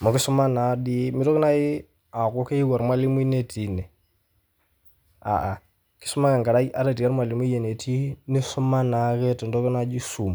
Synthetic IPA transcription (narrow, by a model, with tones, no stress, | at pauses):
mɔ˨kɪ˦sʊ˦ma˦na˨˦di˦mɪ˦dɔ˦kɪ˦na˦jɪ˦ | a˨kɔ˦ke˦i˦wa˨ɾmwa˦lɪ˦mwi˦ne˦tʰi˨nɛ˨ | a̰˨ʔa˨ | kɪ̥˦sʊ˦ma˦kɛ˨ŋɡa˨ɾa˦ja̰˦ɾa˨ti˨a˦ɾmwa˨lɪ˨mwi˦jɛ˨ne˨tʰi˦nɪ˦sʊ˦ma˦na˨kɛ˦tɛ˨ndɔ˦kɪ˦na˦d͡ʒi˦su˨m